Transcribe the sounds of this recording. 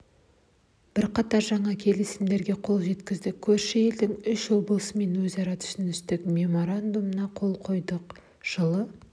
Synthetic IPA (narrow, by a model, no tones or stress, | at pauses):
b̥ɪɾqɑt̪ɑɾʒɑɴɑkʲʰe̞lɪsɪmd̪e̞ɾɡʲe̞qʰo̞lˠʒe̞t̪kʲɪzd̪ɪkʲʰɵɾʃɪje̞ld̪ɪŋʏʃwo̞blˠəsəme̞nwɵzɑɾɑt̪ʰʏ̥ʃɪnɪst̪ɪkmʲe̞mo̞ɾand̪umənɑqʰo̞lˠqʰo̞jd̪əq | ʒ̥əlˠə